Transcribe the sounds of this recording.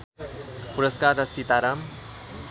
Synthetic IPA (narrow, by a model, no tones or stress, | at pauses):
puɾəskaɾːʌsit̪aɾam